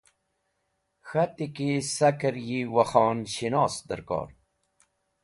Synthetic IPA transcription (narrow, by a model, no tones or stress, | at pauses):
xat̪ikisakəɾjiwaxɑːnɕinɑːsd̪ə̰ɾkɑ̰ːɾ